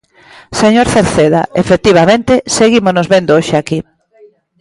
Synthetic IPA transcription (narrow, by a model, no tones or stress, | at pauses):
seɲoɾθeɾθeðaefek̚t̪iβamẽnt̪eseɣimosnozβend̪ooʃeaki